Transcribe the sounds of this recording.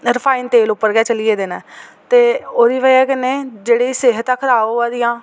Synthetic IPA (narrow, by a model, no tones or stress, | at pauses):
ɾəpʰaːiːnt̪eːlʊpːəɾɡɛːt͡ʃəliːeːd̪eːnɛ̃ːt̪eːoːɾiːʋəɛːkɪneːd͡ʒeːɽeːseːɦət̪akʰəɾaːaːd̪ɪjãː